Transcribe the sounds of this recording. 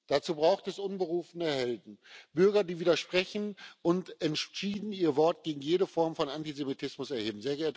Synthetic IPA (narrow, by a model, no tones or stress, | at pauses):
d̥at͡suːbʁaʊxtɛsʔʊnbəʁuːfənəhɛldn̩b̥ʏɐɡɐdiːviːdɐʃpʁ̥ɛçn̩ʔʊntɛntʃiːdn̩iːɐvɔɐt̚ɡ̥eːɡŋ̩jeːɾəfɔɐmfɔnantizemitʰɪsmʊsɛɐheːbm̩zeːɐɡɛɐtə